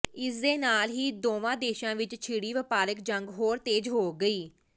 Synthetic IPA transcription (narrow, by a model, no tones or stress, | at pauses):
ɪsd̪eːnaːlɦiːd̪oːʋãːd̪eːʃãːʋɪt͡ʃt͡ʃʰiːɽiːʋəpaːɾəkd͡ʒəŋɡɦoːɾt̪eːd͡ʒɦoːɡəiː